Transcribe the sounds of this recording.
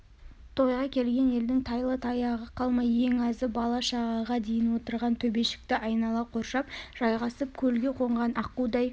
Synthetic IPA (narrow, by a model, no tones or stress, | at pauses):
t̪ʰo̞jʁɑkʲʰe̞lɡʲe̞ne̞ld̪ɪŋt̪ʰɑjlˠət̪ʰɑjɑʁəqʰɑlˠmɑje̞ŋɑzɪbɑlˠɑʃɑʁɑʁɑd̪e̞jɪnwo̞t̪əɾʁɑnt̪ʰɵbe̞ʃɪ̥k̚t̪ɪʔɑjnɑlˠɑqʰo̞ɾʃɑpʒ̥ɑjʁɑsəp̚kʲʰɵlɡʲe̞qʰo̞ɴʁɑnʔɑqud̪ɑj